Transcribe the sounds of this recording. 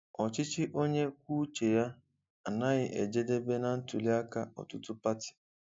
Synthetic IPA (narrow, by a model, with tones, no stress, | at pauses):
ɔ˨t͡ʃɪ˦t͡ʃɪ˦ʔo˦ɲe˦k̚ʷu˦t͡ʃe˨ja˦ | a˨na˦ɣɪ˦ʔe˨d͡ʒe˦de˦be˦na˨n̩˦tu˨li˦a˦ka˦ɔ̰˨tʊ˦tʊ˦pa˦tɪ̥˨